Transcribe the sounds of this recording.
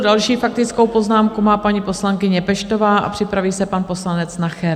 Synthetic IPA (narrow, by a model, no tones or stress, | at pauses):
dalʃiːfak̚t̪ɪt͡sko̞wpo̞znaːmkumaːpaɲiːpo̞slaŋkɪɲɛpɛʃt̪o̞vaːʔa̰pr̥ɪpɾaviːsɛpanpo̞slanɛt͡snaxɛɾ